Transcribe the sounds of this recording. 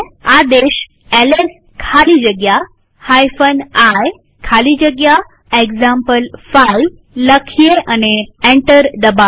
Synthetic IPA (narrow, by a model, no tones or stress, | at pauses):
ad̪eɕ | eles | kʰalid͡ʑəɡja | hajfənaj | kʰalid͡ʑəɡja | ekd͡ʑampəlfaj | ləkʰjeʔaneeɳʈəɾd̪əba